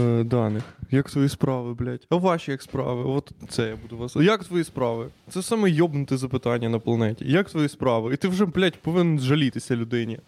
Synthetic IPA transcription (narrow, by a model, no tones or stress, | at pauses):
d̪ɑnɪxjɐkt̪ʋɔjispɾɑʋɪblʲatʲɐʋɑʃʲijɐkspɾɑ̰ʋɪʋɔt̪t̪sɛjabud̪ʊʋɑsjɐkt̪ʋɔjispɾɑʋɪt̪sɛsɑmɛjɔbnʊt̪ɪzɐpɪt̪ɑnʲːɐnɐplˠɐnɛtʲḭjɐkt̪ʋɔjispɾɑʋɪit̪ɪwʐɛblʲatʲpɔʋɪnnzʒɐlʲit̪ɪsʲɐlʲʊd̪ɪnʲi